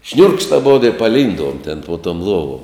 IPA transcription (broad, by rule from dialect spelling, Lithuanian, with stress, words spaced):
ʃʲnʲʊrkʃt ɐˈboːdoː ɪ pɐˈlʲiːnduɔm tʲɛn poː toːm ˈlˠuɔʋoːm